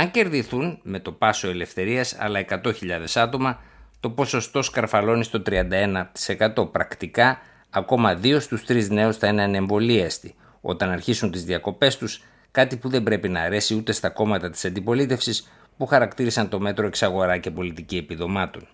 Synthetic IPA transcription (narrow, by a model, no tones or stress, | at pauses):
ɐŋce̞ɾðiθunme̞t̪o̞pɐso̞e̞le̞fθe̞ɾiɐsɐ̰lɐe̞kɐt̪o̞çiʎɐðe̞sɐt̪o̞mɐt̪o̞po̞so̞st̪o̞skɐɾfɐlo̞nist̪o̞t̪ɾiɐnd̪ɐe̞nɐt̪i̥se̞kɐt̪o̞pɾɐkt̪ikɐː | ko̞mɐðio̞st̪ust̪ɾizne̞usθɐinɐneɱvo̞liest̪i | o̞̰t̪ɐnɐɾçisunt̪izðiɐko̞pe̞st̪us | kɐt̪ipuðe̞mbɾe̞pinɐːɾe̞siut̪e̞st̪ɐko̞mɐt̪ɐt̪i̥sɐnd̪ipo̞lit̪e̞fsis | puxɐɾɐkt̪iɾisɐnt̪o̞me̞t̪ɾo̞e̞ksɐɣo̞ɾɐce̞po̞lit̪icie̞piðo̞mɐt̪o̞̰n